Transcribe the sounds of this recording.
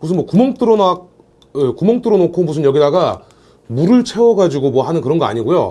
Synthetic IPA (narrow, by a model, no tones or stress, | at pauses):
mus̬ʰɯnwʌkumʌŋt͈ɯɾonak̚ | ɯkumʌŋt͈ɯɾonokʰomus̬ʰɯnjʌɡidaɡa | muɾɯɭt͡ɕʰe̞wʌɡad͡ʑiɡomwʌɦhanɯnkɯɾʌnɡʌa̰ɲiɡojo̰